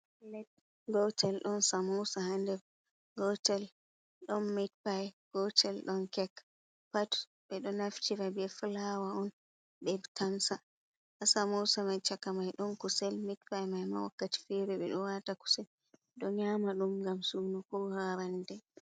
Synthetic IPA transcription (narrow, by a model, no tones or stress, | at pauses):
lɛt̚ | ɡɔtɛlɗɔnsamɔwsahandɛɾ | ɡɔtɛl | ɗɔnmitpajɡ̥ɔtɛlɗɔnkɛkː | patu̥ | ɓɛɗɔnaft͡ʃiɾabɛflawaɔn | ɓɛtamsa | ʔasamɔwsamajt͡ʃakːamajɗɔnkusɛlmitpajmajma̰wa̰kːati̥fɛɾɛɓɛ̰ɗɔwataku̥sɛ | ɗɔɲamaɗumɡamsunukɔhaɾandɛ